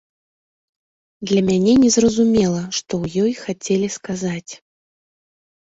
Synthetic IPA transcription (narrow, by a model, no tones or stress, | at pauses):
d̪lʲɐmʲanʲɛnʲɛzrɐzumʲɛlˠɐʂt̪ɔwjɔjxat͡sʲɛlʲiskazat͡sʲ